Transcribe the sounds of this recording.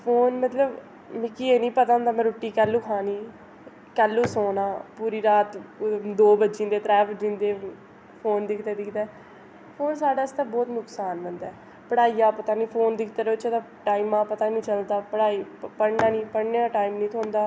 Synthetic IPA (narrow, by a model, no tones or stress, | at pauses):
pʰoːnmət̪ləb | mɪkiːeːnĩːpət̪ãːnd̪aːmɛ̃ːɾoːʈːiːkɛːlːũːkʰaːniː | kɛːlːũːsoːnãːpuːɾiːɾaːt̪d̪oːbəd͡ʒɪ̃ːnd̪eːt̪ɾɛːpd͡ʒɪ̃nd̪eː | pʰoːnd̪ɪkʰd̪eːd̪ɪkʰd̪ɛː | pʰoːnsaːɖaːst̪aːbɔːt̪nʊksaːnʋənd̪ɛː | pəɽaːiːaːpət̪aːnĩːpʰoːnd̪ɪkʰt̪eːɾeʊt͡ʃaːd̪ãː | ʈaːiːmãːpət̪aːnĩːt͡ʃəld̪aːpəɽaːiːpəɽnãːnĩːpəɽneːaːʈaːimnĩːt̪ʰoːnd̪aː